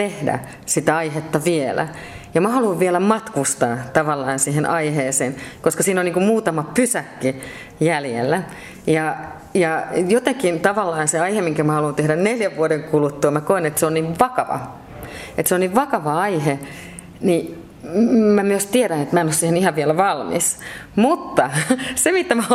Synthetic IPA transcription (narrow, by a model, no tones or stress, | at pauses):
t̪ehdæ̰ | sit̪æɑihet̪ːɑʋielæ̰ | jɑmɑhɑluːʋʋielæmɑt̪kust̪ɑːt̪ɑʋɑlːɑːnsihenʔɑiheːseːnkoskɑsiːnoniːŋkummuːt̪ɑmɑpysækːi | jæljḛlːæ | jɑ | jɑjot̪ekint̪ɑʋɑlːɑːnseɑihemiŋkæmæhɑlunt̪ehdænneljæʋːuodeŋkulut̪ːuɑmækoenet̪seonniʋʋɑkɑʋɑ̰ | et̪seonniʋʋɑkɑʋɑɑihe | ni | mæmyøst̪ieɾænet̪mæenossiːhenihɑʋʋielæʋɑlmḭsmut̪ːɑsemit̪ːæmæ